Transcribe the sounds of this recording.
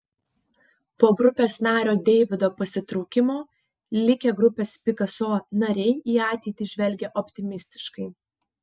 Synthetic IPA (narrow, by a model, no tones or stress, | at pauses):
poːɡɾʊpʲeːsnɑːɾʲoːd̪ʲɛɪʋʲɪd̪oːpɐsʲɪt̪ɾɔʊkʲɪmoː | lʲɪkʲeɡɾʊpʲeːspʲɪkɐsoːnɐɾʲɛɪiːɑːt̪ʲɛɪt̪ʲiːʒʲʋʲɛlʲɡʲɛʔɔpʲt̪ʲɪmʲɪsʲt̪ʲɪ̥ʃkɐɪ